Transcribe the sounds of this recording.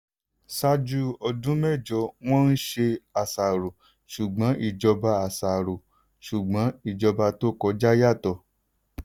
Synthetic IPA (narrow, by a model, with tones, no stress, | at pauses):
sa˦d͡ʒu˦ɔ˧dũ˦mɛ˦˨d͡ʒɔ˧w̃ɔ̃˦n̩˦ʃe˧a˨sa˨ɾo˨ | ʃu˨ɡ͡bɔ̃˨˦ʔi˦˨d͡ʒɔ˧ba˧a˨sa˨ɾo˨ | ʃu˨ɡ͡bɔ̃˨˦i˦˨d͡ʒɔ˧ba˧to˦˨kɔ˧d͡ʒa˦ja˦˨tɔ˧˨